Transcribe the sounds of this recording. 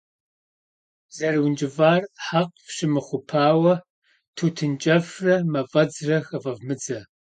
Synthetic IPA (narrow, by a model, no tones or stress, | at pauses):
z̥ɐrwnd͡ʒʼɪvaːrħaqfʃɪmɨχʷʊpʰaːwɐ | tʰuːtʰɨnt͡ʃʼɐfrɐmɐfʼɐd͡zrɐxɐvɐvmɨd͡zɐ